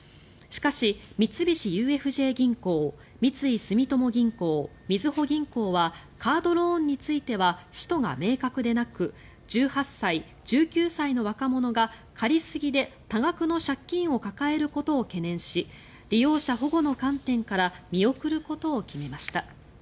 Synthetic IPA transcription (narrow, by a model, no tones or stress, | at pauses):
ɕi̥kaɕimʲit͡sɨbʲiɕijɯ̟ːe̞ɸɯ̟ʑe̞ːɡʲĩŋko̞ː | mʲit͡sɨisɨmʲit̪o̞mo̞ɡʲĩŋko̞ː | mʲizɨho̞ɡʲĩŋko̞ːβa | kʰaːd̪o̞ɾõ̞ːɲ̟ːit͡sɨit̪e̞βaɕi̥t̪o̞ɡa̰me̞ːkakɯ̟d̪e̞nakɯ̟ | d͡ʑɨːhasːai | d͡ʑ̥ɨːkʲɨːsaino̞β̞akamo̞no̞ɡa | kʰaɾʲisɨɡʲid̪e̞t̪aɡakɯ̟no̞ɕakʲːĩɰ̃o̞kakae̞ɾɯ̟ko̞t̪o̞ːke̞nẽ̞ɰ̃ɕi | ɾʲijo̞ːɕaɦo̞ɡo̞no̞kãnt̪ẽ̞ŋkaɾamʲio̞kɯ̟ɾɯ̟ko̞t̪o̞ːkʲime̞maɕi̥t̪a